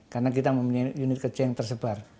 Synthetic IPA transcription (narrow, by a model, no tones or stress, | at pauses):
karənak̬it̪aməmpuɲajjunɪt̪̚kət͡ʃɛjaŋt̪ərsəbar